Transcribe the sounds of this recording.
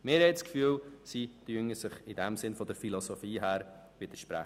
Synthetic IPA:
mɪɾhɛtskfyːlsityəŋəsɪχɪdɛmsɪnfɔdəɾfilosofiːɦæːɾ | ʋɪd̥̪əɾʃpɾæ̰χ

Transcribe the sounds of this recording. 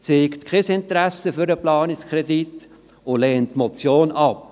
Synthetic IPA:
t͡seːktkʰɛsɪntɾæsəfyɾəplɑːnɪkskʰrɛdit | ʊlɛːntːmɔt͡sjoːnɑp̚

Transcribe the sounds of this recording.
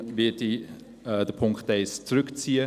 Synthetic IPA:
vɪti | ədəpʰʊŋktɛjst͡srɵkt͡siə

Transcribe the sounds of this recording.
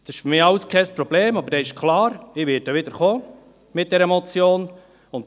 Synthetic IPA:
d̥ɑɪʃfʏmiːɑwskʰɛɪspɾɔbleːmɑbəɾdɛːɪʃkʰlɑːɾɪʋɪːt̚ːəʋɪd̪əɾχoː | mɪt̚d̥ɛɾɛmɔt͡sjoːn | ʊnt

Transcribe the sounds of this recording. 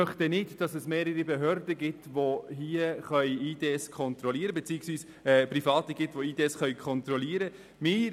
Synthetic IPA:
œχtənɪdd̥ɑsɛsmeːɾəɾibɛɦøɾdəɡɪtʋoɦiːəχœʏiːd̥eːɛskʰɔnt̪ɾɔliːəɾəbɛt͡siːəksʋiːs | ɛːprifɑːtəɡɪtʋoiːdeːɛsχœʏkʰɔnt̪ɾɔliəɾə | mɪː

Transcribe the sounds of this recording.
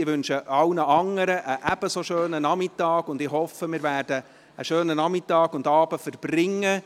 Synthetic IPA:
ɪʋʏnʃəʔɑwnəʔɑŋəɾəʔəʔæb̥əsoʃøːnənɑmɪtːɑːɡʊndɪhɔfəmɪːɾvæːrd̥ə | əʃøːnənɑmɪtːɑːɡʊndɑːbəfərɾb̥rɪŋːə

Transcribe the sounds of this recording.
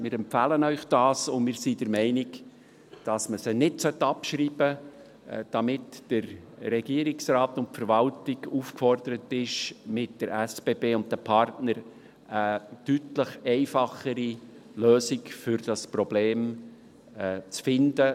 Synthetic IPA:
mɪːɾɛmpfæːlənœʏχd̥ɑːsʊnmɪːɾsid̥əɾmɛɪnɪk | d̥ɑsməsənɪtsœtːɑpʃɾiːb̥ə | d̥ɑmɪtd̥əɾrɛɡiəɾɪksraːtʊntfəɾvɑltɪɡuːfkfɔrd̥əɾətɪʃmɪtd̥əɾæsb̥eːbeːʊnt̚dəpʰɑrtnəɾ | ətytləχɛɪfɑχəɾi | løːsɪkfʏɾd̥ɑspɾɔb̥leːm | t͡sfɪndə

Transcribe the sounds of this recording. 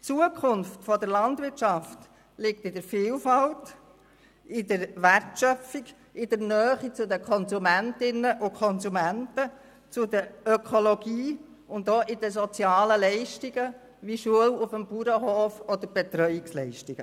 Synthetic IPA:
t͡suəkʰχʊnftfɔdəɾlɑndʋɪɾt͡ʃɑft | lɪk̚tɪdəɾfɪːlfɑlt | ɪdəɾʋærtʃœfiɡ | ɪdəɾnœːχit͡sʊdəkʰɔnzumæntɪnəʔʊkʰɔnzumæntə | t͡sʊd̪əɾœkʰoloɡiː | ʊnd̪oːʔɪd̥əs̬ɔt͡sjɑːləlɛɪʃtiɡ̥ə | ʋiʃuəlʊfəmpuɾəɦoːfɔd̪əɾb̥ɛt̪ɾœʏɪkslɛɪʃtiɡ̥ə

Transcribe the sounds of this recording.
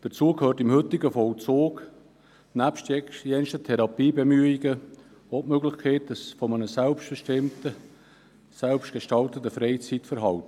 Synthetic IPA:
d̥ət͡suəkʰhøːrtɪmhʏtɪɡəfɔlt͡soːk | næpʃtjɛnʃtət̪ʰɛɾɑpiːbemyiɡə | otmøɡlɪχkʰeɪt̚dəsfɔmənəsælpʃtb̥əʃtɪmtə | sælpʃtɡ̥eʃtɑlt̪ətəfɾeɪt͡sitfəɾɦɑlt

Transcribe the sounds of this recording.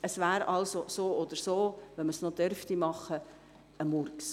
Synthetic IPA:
əsʋæːɾɑlsosoːɔd̪̥əɾsoːʋɛnməsnod̥œɾftimɑχə | əmurks

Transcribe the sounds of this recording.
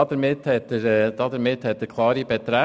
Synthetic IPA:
ɑd̪əɾmɪt̪hɛt̪ːəɾɛd̪̥ɑd̪əɾmɪthɛt̪ːəɾkʰlˠɑːɾibɛt̪ɾæ

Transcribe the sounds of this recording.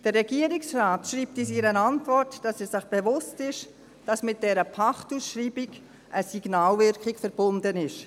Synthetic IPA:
d̥ərːɛɡiəɾiksraːtʃriːp̚tiːs̬iːɾənɑntvɔrtd̥ɑsɛsɪχb̥evʊstɪʃ | d̥ɑsmɪt̚d̥ɛɾəpʰɑχtusʃɾiːbiɡ | ʔəsiɡ̥naːlvʏɾkχɪkfəɾb̥ʊndənɪʃ

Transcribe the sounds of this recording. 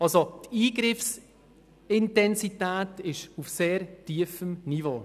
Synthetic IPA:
ɑlsot̪iːɡɾɪfs | ɪntɛnsit̪æːtɪʃufseːɾtiəfəmnivoː

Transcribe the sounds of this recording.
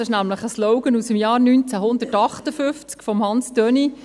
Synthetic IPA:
ɪʃnæmləχəslɔʊɡənusəmjɑːɾnyːnt͡sæɦʊnd̪ətɑχt̪əfʏft͡skfɔmhɑnstœni

